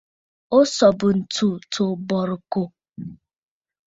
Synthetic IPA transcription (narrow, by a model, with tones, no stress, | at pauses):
o˦sɔ˨bʊ˨n̩˨tu˦˨tʰo˨bɔ˨ɾʊ˨ko˨